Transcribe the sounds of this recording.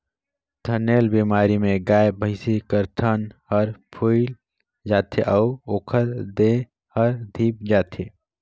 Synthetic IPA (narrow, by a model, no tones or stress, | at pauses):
t̪ʰəneːlbiːmaːɾimẽɡaːebʱəɪsikəɾt̪ʰənhəɾpʰuːɪl | d͡ʒaːt̪ʰeʔəʊoːkʰəɾd̪e | həɾd̪ʱiːp̚d͡ʒaːt̪ʰeː